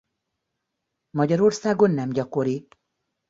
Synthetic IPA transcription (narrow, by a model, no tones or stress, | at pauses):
mɒɟɒɾo̞rsaːɡo̞nːɛmɟɒko̞ɾi